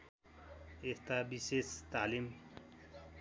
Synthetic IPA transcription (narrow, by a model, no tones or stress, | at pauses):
est̪abisest̪alim